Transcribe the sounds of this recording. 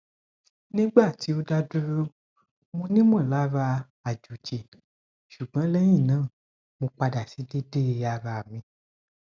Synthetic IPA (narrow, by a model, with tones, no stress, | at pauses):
nĩ˦ɡ͡ba˦˨ti˨˦o˧da˧du˦ɾu˦ | mõ˧nĩ˦m˦ɔ̃˦˨la˦βa˧ | a˨d͡ʒu˨d͡ʒe˨ | ʃu˨ɡ͡bã˨˦lɛ˦j̃ĩ˦˨nãː˦˨ | mõ˧k͡pa˧da˨si˨˦de˦de˦˧˨a˧βa˨mĩ˧